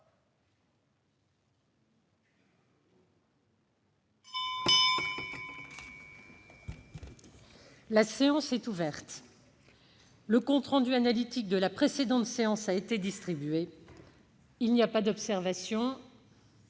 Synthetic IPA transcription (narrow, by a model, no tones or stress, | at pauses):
laseɑ̃sɛt̪uvɛʁt̪ | ləkɔ̃t̪χɑ̃d̪yanalit̪ik̚d̪əlapχesed̪ɑ̃t̪seɑ̃saet̪ed̪ist̪χibɥe | ilniapad̪ɔpsɛʁvasjɔ̃